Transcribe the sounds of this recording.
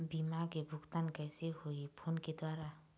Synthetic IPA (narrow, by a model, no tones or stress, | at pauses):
bimakebʱʊɡt̪ankɛːsehoipʰoːnked̪waːɾa